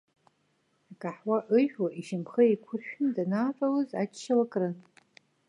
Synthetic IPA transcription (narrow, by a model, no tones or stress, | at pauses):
akʼaħwaʔɨħᶣaʔiʃɪmχəikʷʰʊrʃᶣʊndanaːʈ͡ʂʼawɨza̰t͡ʃːʃalakʼrɨ